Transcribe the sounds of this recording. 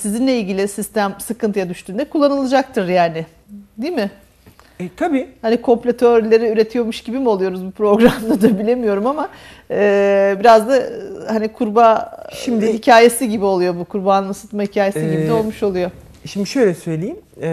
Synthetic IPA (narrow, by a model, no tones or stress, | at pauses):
sizinlʲeilʲɟʲilʲɪsist̪æmsɯkɯnt̪ʰɯjad̪yʃt̪yːnd̪ɛkʰulˠːanɯlˠɯd͡ʒak̚t̪ʰɯɾjaːnɪ | d̪iːmɪ | t̪ʰabiːhanikʰo̞mplʲat̪ʰøɾlʲe̞ɾiyɾe̞t̪ʰijo̞ɾmuʃɟibimo̞lˠujo̞ɾuzbupɾo̞ɡɾamd̪ad̪abilʲe̞mijo̞ɾumamaː | biɾazd̪ahanikʰuɾbaʃimd̪ɪhicʰaːje̞siɟibio̞lˠujo̞bukʰuɾbaːnsɯt̪mahicʰaːjesiɟibid̪ɛo̞lˠmuʃo̞lˠujo̞ | ʃimd̪iʃøjlʲɛsø̞jlʲejim